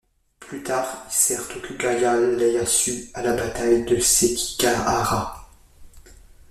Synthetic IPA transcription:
plyt̪aːʁilsɛʁt̪okʲypaɡalːɛjɑ̃syalabat̪ajd̪əseki̥kaaʁa

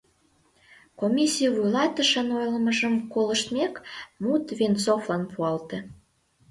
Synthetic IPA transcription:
komʲisʲijvujlɑt̪əʃənojlə̆məʒəmkoləʃt̪mekmut̪βent͡soflɑnpuɑlt̪e

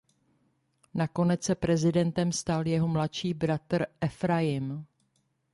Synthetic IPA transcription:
nako̞nɛt͡ssɛpɾɛzɪdɛnt̪ɛmst̪aljɛɦo̞mlatʃiːbɾat̪ɾʔɛfɾajɪm

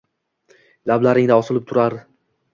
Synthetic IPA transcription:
lablaɾɪŋd̪aɒsɪlˠɪp̚t̪ʰʊɾaɾ

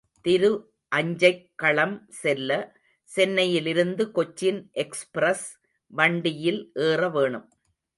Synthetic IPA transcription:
t̪ɪɾɯ | ʔɐɲd͡ʒɐɪkːɐɭɐmsɛlːɐ | sɛnːɐjɪlɪɾɯnd̪ɯkɔt͡ʃːɪnʔɛkspɾɐs | ʋɐɳɖɪjɪlʔeːrɐʋeːɳɯm

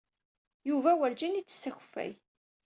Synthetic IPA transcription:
juvæwəɾd͡ʒinit͡sːə̥sːæç̥fæ̰j

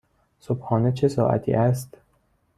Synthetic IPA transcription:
sobhɒːnet͡ʃʰe̞sɒːʔæ̰t̪ʰḭːʔæst̪

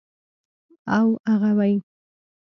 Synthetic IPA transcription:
awaʁawaj

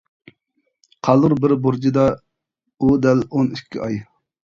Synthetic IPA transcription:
qʰɑlˠʊɾbɪɾbuɾd͡ʒid̪ɑ | ud̪ɛlonikʲːḭʔɑj

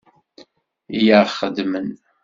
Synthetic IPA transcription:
ijaχəd̪mən

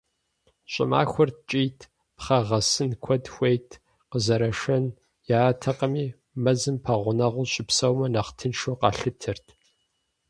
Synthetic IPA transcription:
ɕʼɪ̰ma̰ːxʷʊr̚t͡ʃʼiːtʰ | pχɐʁɐsɨnkʷʰɔdxʷejtʰ | qəzɐɾɐʂɐn | jaːtʰɐqəmiː | mɐzɨmpʰɐʁʷʊnɐʁʷʊɕʼɪpsɐwmɐnɐχtʰɨnʃoqɑ̰ːɬɨp̚tʰɨrtʰ

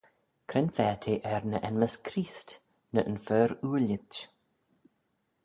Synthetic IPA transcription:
kʰɾɛnfɛːt̪ʰeʔɛɾnəʔɛnməskʰɾiːst̪ | nəʔənfœːɾuːlɪt

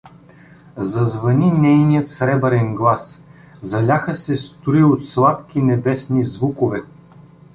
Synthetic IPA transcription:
zɐzvɐninɛjnijət̪sɾɛbəɾɛnɡlˠas | zɐlʲaxəsɛst̪uɾiot̪slˠat̪kʲinɛbɛsnizvukovɛ

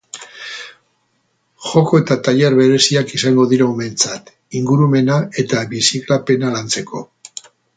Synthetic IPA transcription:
xo̞ko̞e̞t̪at̪aʎeɾβe̞ɾe̞siakisaŋɡo̞ðiɾaume̞nt͡sat̪ | iŋɡuɾume̞nae̞t̪aβisiklape̞nalant͡se̞ko̞

